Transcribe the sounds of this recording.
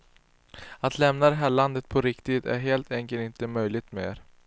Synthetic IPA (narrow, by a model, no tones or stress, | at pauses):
at̪ʰlɛmnad̪ɛɦæːɭand̪ət̪̚pʰɔɾɪkt̪ɪd̪æ̰ɾɦeːlt̪ʰɛŋkənɪnt̪əmœjlɪɡ̚t̪meːɾ